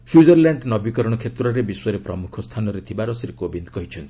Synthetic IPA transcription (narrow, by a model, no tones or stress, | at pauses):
swiud͡ʒɔɾlaɳɖnɔbikɔɾɔɽ̃ɔkʰet̪ɾɔɾebiswɔɾepɾɔmukʰɔst̪ʰanɔɾet̪ʰibaɾɔsiɾekobind̪kɔɦit͡ʃʰɔnt̪i̥